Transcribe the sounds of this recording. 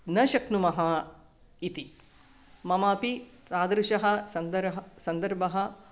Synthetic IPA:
nɐʃɐknumɐɦɐ | it̪i | mɐmaːpit̪aːd̪ɾuʃɐɦɐ̆sɐnd̪ɐɦɐsɐnd̪ɐɾbʱɐɦɐ̆

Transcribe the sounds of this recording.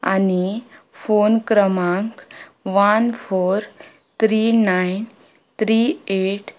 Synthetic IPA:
a̰nifoːnkɾəmãŋkʋanpʰoːɾ | t̪ʰɾinain | t̪ʰɾiːeːʈ

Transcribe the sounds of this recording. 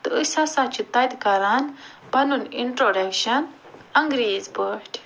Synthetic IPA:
t̪ɨɨsɐsat͡ʃʰut̪ɐjt̪kɐɾan | bɐnuniɳʈɾoːɖɐkʃɐn | ɐŋɡɾiːzbəʈ

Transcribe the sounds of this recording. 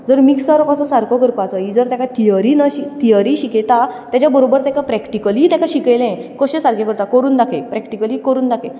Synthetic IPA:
d͡zəɾmiksaɾɔpasũsaɾkɔkəɾpat͡sɔid͡zəɾt̪jakat̪ijəɾinəɕit̪ijəɾiːɕiket̪at̪jat͡ɕjabəɾobəɾt̪jakapɾɛkʈikəliːt̪jakaɕikelẽkɔɕesaɾkjakəɾt̪akəɾuːnd̪akʰepɾɛkʈikəliːkəɾuːnd̪akʰe

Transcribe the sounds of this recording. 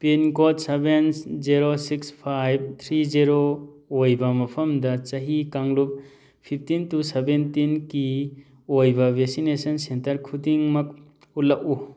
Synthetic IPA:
pinkot̚sebenziɾosikspʰajb̚t̪ʰɾiziɾo | ojbɐmɐpʰɐmdɐt͡ʃɐɦikaŋlup̚ | pʰip̚ʰtintusebentinki | ojbɐbʱeksinesɐnsentɐɾkʰudiŋmɐk̚ | ulːɐʔu

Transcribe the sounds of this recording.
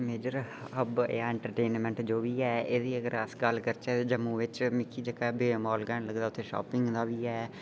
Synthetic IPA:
meːd͡ʒəɾ | ɦəbaːɛ̃ɳʈəɾʈeːnmɛ̃ɳʈd͡ʒoːʋiːɛːeːd̪iːəɡəɾəsɡəlkəɾt͡ʃɛːd͡ʒəmːuːʋɪt͡ʃmɪkʰiːd͡ʒəkabeːmɔːlɡɛːɳləɡd̪aːʊt̪ʰːeːʃɔ̰ːpɪŋɡd̪aːʋiːɛː

